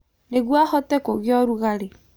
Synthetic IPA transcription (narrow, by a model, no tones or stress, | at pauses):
neɣwahɔtɛkoɣɪɔɾuɣaɾe